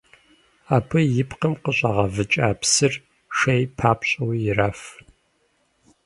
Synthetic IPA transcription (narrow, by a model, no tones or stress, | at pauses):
aːpʰɐjɪpqɐmqəɕʼɐʁɐvɨt͡ʃʼaːpsɨr | ʂejpʰaːpɕʼɐwjɪraːf